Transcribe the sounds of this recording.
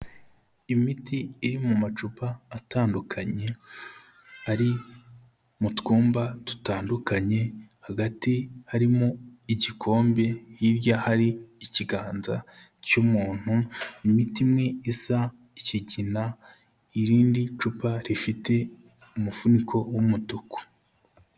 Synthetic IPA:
imitiːɾimumat͡ʃupaːtaːndukʰaɲe̞ | aɾi | mutɡuːmbatu̥taːndukaɲe̞haɡatihaɾimoiɟikʰo̞ːmbe̞jiɾjahaɾiːciɡaːnzacumuːn̥hunimitimŋe̞isa | iciɟina | iɾiːndit͡ʃupaɾifite̞ | umufunikʰo̞wumutuku̥

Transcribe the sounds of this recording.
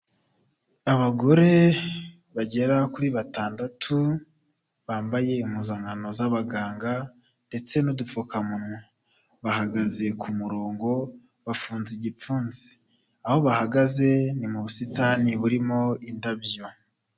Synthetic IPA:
aβaɡo̞ɾe̞ | βaɟe̞ɾakuɾiβataːndatʰu | βaːmbaje̞imhuzaːŋɡano̞zaβaɡaːŋɡa | nde̞t͡se̞nudufokamun̥hu | βahaɡaze̞kʰumuɾoːŋɡo̞ | βafuːnziɟip͡fuːnz̥i̥ | aho̞βahaɡaze̞nimuβusitaniβuɾimo̞indabjo

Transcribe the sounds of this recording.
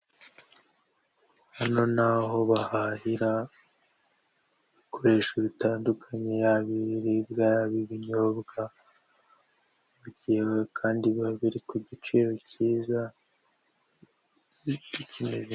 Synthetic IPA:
hano̞naɦo̞βahahiɾa | βikʰo̞ɾe̞ːʃeβitaːndukʰaɲe̞jaβiɾiɾibjaːɾaβiβiɲoβɡa | βuɟijewekʰaːndiβaβiɾikuɟit͡ʃiːɾo̞ciːza | icʰimeze

